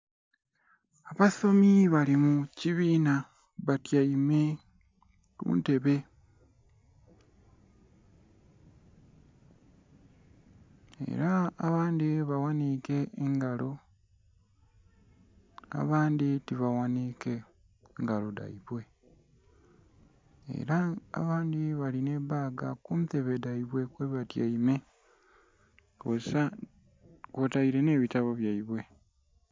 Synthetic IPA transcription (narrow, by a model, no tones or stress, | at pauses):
aβaso̞miβalimuciβiːna | βatjaime̞ | kṵːnte̞βe̞ | ḛɾaːβaːndiβawanike̞ːŋɡalo̞ | a̰βaːnditiβawanike̞ | ŋɡalo̞da̰iβwe̞ | ḛɾa̰ːβaːndiβaline̞baːɡakumteβedaiβwe̞kwe̞βatjaime̞ | kosa | kotaiɾe̞ne̞ːβitaβoβjaiβwe̞